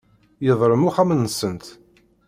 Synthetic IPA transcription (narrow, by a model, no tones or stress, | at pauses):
jəðˤɾˤəmuχæmənːəsənt̪